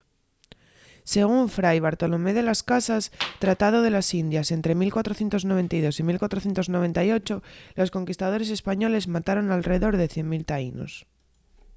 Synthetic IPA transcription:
se̞ɣ̞uɱfɾajβ̞aɾt̪o̞lo̞me̞ð̞e̞laskasast̪ɾat̪að̞o̞ð̞e̞lasind̪jase̞nt̪ɾe̞milkwat̪ɾo̞θje̞nt̪o̞zno̞βe̞nt̪ajðo̞similkwat̪ɾo̞θje̞nt̪ozno̞β̞e̞nt̪ajo̞t͡ʃo̞lo̞sko̞ŋkist̪að̞o̞ɾe̞s̬e̞spaɲo̞le̞zmat̪aɾo̞nalre̞ðo̞ɾðe̞θje̞nmilt̪aino̞̰s

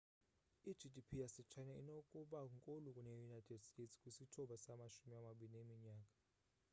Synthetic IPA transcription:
i̥d͡ʒʱidʱipʰijasɛt͡ʃʰaɲainokʼuɓaŋkʼolukʼunejunajtʰʼɛdstʼetskʼusitʰɔɓasamaʃumiamaɓilinemiɲaːkʼḁ

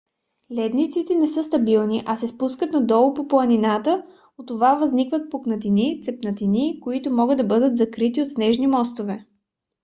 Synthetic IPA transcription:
lɛd̪nit̪sit̪ɛnɛsɤst̪ɐbilˠniʔɐsɛspuskət̪nɐd̪ɔlˠpoplˠɐninat̪ə | ot̪ːovavɐznikvət̪̚poknɐt̪init̪sɛpnɐt̪inikoit̪ʊmɔɡɤd̪ːɐbɤd̪ət̪zɐkɾit̪iot̪snɛʒnimɔst̪ovɛ

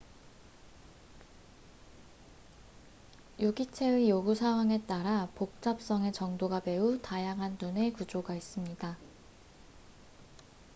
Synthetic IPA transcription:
juɡit͡ɕʰe̞ɯjoɡusʰaŋwaŋe̞t͈aɾapok̚t͡ɕ͈ap̚s͈ʌŋe̞t͡ɕʌŋdoɡabe̞utajaŋɦannune̞kud͡ʑoɡais͈ɯmɲida

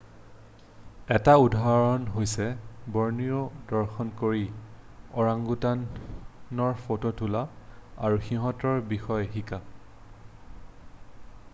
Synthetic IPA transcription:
ɛtaudʱaɹɔnɦojsɛbɔɹniɔdɔɹxɔnkoɹi | ɔɹaŋɡutannɔɹfototʰulaaɹuxiɦɔtɔɹbixɔjxika

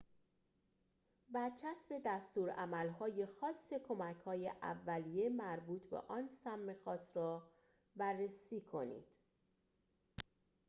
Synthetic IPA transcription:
bæɾt͡ʃʰæsbe̞d̪æst̪uːɾæmælɦɒːje̞xɒːsːe̞kʰo̞mæcʰhɒːjeʔæ̰vːælije̞mæɾbuːt̪ʰbḛʔɒːnsæmːe̞xɒːst̪ɾɒː | bærːesiːkʰo̞nḭːd̪̥

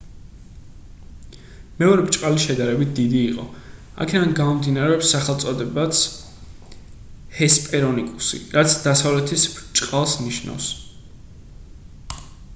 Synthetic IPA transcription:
mɛɔɾɛbt͡ʃʼqʼaliʃɛd̪aɾɛbit̪̚ʰd̪id̪iːqʼɔ̰ | a̰kʰɛd̪anɡamɔmd̪inaɾɛɔpsːaχɛlˠt̪sʼɔd̪ɛbat̪sʰ | hɛspʼɛɾɔnikʼusḭɾat̪sʰd̪asavlɛt̪ʰisb̥t͡ʃʼqʼalˠsniʃna̰fs

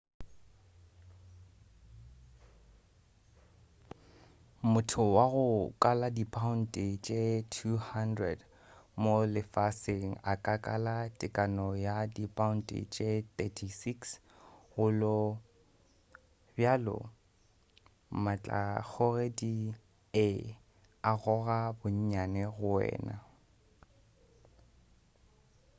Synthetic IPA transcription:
mʊtʰʊwaɣʊkʼaladipʼaʊn̩tʼɪt͡ʃʼetʰuhandrɛd | molɪfasɪŋ̩akʼakʼalatʼɪkʼanɔjadipʼaʊn̩tʼḭt͡ʃʼet̪ʼɛtʰisiks | ɣʊlɔ | bjalɔ̰ | mat͡ɬʼa̰k͡xʰɔredi | e | aɣɔɣabʊɲ̩ɲanɛɣʊɛ̰ːna̰

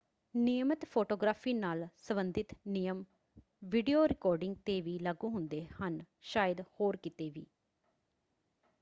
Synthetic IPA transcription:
nɪjəmət̪pʰoːʈoːɡɾaːfʰiːnaːlsəmənd̪ɪt̪nɪjəm | ʋiːɖijoːɾɪkɔːɾɖɪŋɡ̚t̪eːʋiːləɡũːɦʊnd̪eːhən | ʃaːjəd̪hoːɾkɪt̪eːʋiː

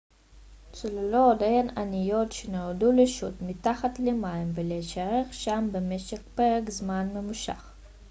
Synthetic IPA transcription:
t͡sululod̪ajananijo̞tʃeneoduleʃutmit̪aχat̪lemaimveleʃaʁeχʃambemeʃeχpeʁekzmanmemuʃa̰χ

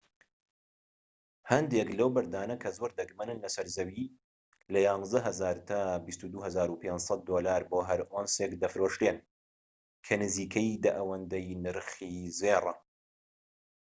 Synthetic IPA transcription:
hɐnd̪eklɐwbɐɾd̪aːnɐkʰɐzoɾd̪ɐɡmɐnɨnlɐsɐɾzɐwiː | lɐjɑːnzd̪ɐɦɐzaːɾt̪ʰaːbist̪ud̪uːɦɐzaːɾupensˤɑt̪̚ːoːlaːɾboːɦɐɾʔonsekd̪ɐfɾoːʃt̪en | kʰɐnɨziːkʰɐjd̪ɐʔɐwɐnd̪ɐjnɨɾxiːzeːrˤɐ

